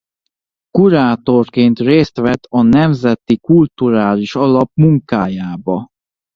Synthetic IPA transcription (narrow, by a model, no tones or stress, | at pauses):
kuɾaːt̪o̞rkeːnt̪reːst̪ʋɛt̪ʰɒnɛmzɛt̪ikult̪uɾaːliʃɒlɒpmuŋkaːjaːbɒ